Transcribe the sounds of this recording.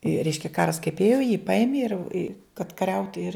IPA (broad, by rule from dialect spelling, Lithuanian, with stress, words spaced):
ɪ ˈrʲɛɪʃʲkʲɛ ˈkɑːrɐs kɐɪp ˈeːjoː jiː ˈpɐɪmʲeː ɪr ɪ kɐt kɐˈrʲɛʊtʲɪ ɪr